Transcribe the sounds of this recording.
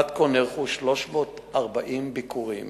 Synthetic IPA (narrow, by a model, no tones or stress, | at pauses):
at̪̚koneʁχuʃlo̞ʃmo̞ːt̪ | ʔaʁbaʔimbikuʁim